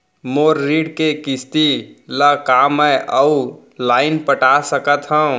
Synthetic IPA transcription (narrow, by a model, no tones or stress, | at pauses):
moːɾːiːɖkekɪst̪iləkaːmːɛ̃ʔəu | laːɪnpəʈasəkət̪ɦə̃